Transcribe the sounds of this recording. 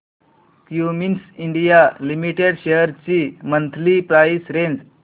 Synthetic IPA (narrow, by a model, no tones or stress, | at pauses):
kjuminsiɳɖijalimiʈeɽɕeɦəɾt͡ɕimənt̪ʰlipɾaisɾend͡z